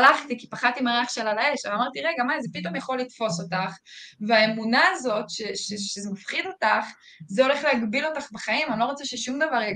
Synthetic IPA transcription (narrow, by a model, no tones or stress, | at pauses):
laχt̪ikipaχadtimaʁeaχʃelalae̞ʃeamaʁtiʁe̞ɡamazepito̞mjaχo̞lːitfo̞so̞taχveaemunaːzo̞tʃeʃeʃezemafχido̞taχ | zeo̞le̞χlehaɡbilo̞taχbaχaimanlo̞ʁot͡seʃeʃumdavaʁ